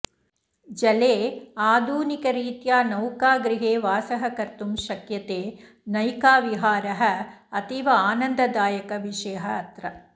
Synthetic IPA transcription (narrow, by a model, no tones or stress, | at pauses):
d͡ʒɐleːaːd̪ʱuːnikɐɾiːt̪jaːnɐwkaːɡɾiɦeːʋaːsɐɦɐkɐɾt̪umʃɐkjɐt̪eː | nɐjkaːʋiɦaːɾɐɦɐ̆ɐt̪iʋɐaːnɐnd̪ɐd̪aːjɐkɐʋiʂɐjɐɦɐːt̪ɾɐ